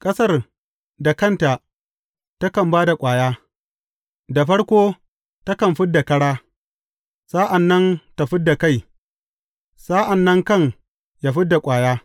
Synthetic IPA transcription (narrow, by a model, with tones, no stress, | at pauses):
kʼɐ˦sɐ˦r | da˨kɐ˦nta˨ | ta˦kɐ˨mbaː˦da˨kʷʼaː˨jaː˦ | da˨ɸɐ˦ɽkʷoː˦ | ta˦kɐ˨mɸɪ˦d̚dːa˨kɐ˦ɽaː˦ | saː˦ʔa˨nːɐ˦nta˨ɸɪ˦d̚dːa˨ka˦˨j | sa˦ʔa˨nːɐ˦ŋkɐ˦˨ŋ | jaː˦ɸɪ˦dːa˨kʷʼaː˨jaː˦